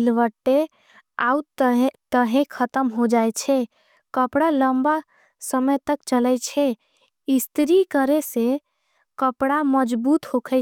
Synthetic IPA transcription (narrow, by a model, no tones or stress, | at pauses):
ilʋəʈːe | a̰utt̪əɦẽkʰət̪əmɦod͡ʒajt͡ʃʰɛ | kəpɽaləmba | səməjt̪əkt͡ʃələt͡ʃʰɛ | ist̪ɾikəɾese | kəpɽaməd͡ʒbut̪hokʰə